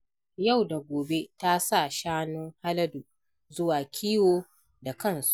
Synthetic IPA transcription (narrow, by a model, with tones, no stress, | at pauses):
ja˦˨wda˨ɡʷoː˨be˦ta˦sa˦˨ʃaː˦nʊ˦ŋha˦lɐ˦du˨ | zʊ˦waː˨kʲʰiː˦woː˦ | da˨kɐ˦˨nsu̥˨